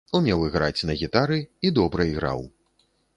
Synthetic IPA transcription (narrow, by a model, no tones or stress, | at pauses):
umʲɛwɨɣɾat͡sʲnɐɣʲit̪aɾɨid̪ɔbɾɐiɣɾa̰w